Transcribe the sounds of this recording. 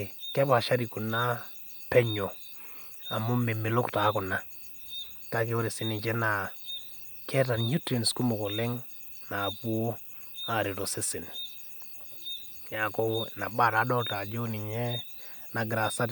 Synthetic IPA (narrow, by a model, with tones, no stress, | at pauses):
kɛ˦pa˨ʃa˦ɾi˨ku˨na˦ | pɛ˦ɲo˨ | a˨mʊ˦me˨mɪ˨lʊ˦kta˨˦kʊ˨na˦ | ka˦ke˦o˦ɾi˨sɪ˨nɪ˨t͡ʃɛ˦na˨ | kʰɛ˦ta˨nɲu˦tɾi˨nsku˦mʊ˨ko˨lɪ˦ŋ | na˨pu˦o˦ | a˨ɾɪ˨to˨sɪ˦sɪ˨n | ja˨ko˦na˨ba˦˨ɾa˨˦dɔ˦ta˨d͡ʒo˦nɪ˨ɲɛ˦ | na˨ɡɪ˨ɾa˨sa˦t